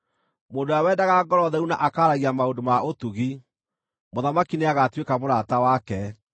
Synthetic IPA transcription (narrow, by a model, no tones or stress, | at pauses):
moːndoawɛːdaɣaɡɔɾɔðɛunaʔakaːɾaɣiamaondomaʔotuɣi | moðamakineaɣatwekamoɾatawakɛ